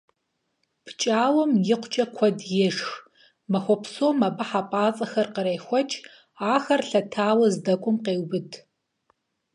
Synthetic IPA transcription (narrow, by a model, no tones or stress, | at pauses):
pʰt͡ʃʼaːwɔmjɪqʷʰt͡ʃʼɐkʷʰɔdjɛʂx | mɐxʷɔpʰsoːmɐbɐħapʼaːt͡sʼɐxɐrqəɾɐjxʷɔt͡ʃʼ | aːxɐrɬɐtʰaːwɐzdɐkʷʼʊmqeːwbɨtʰ